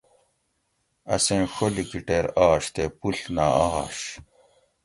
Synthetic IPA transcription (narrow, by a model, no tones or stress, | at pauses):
ɐ̰sẽnxolikiʈeːɾɑːɕt̪epuɬnaaɑ̰ːɕ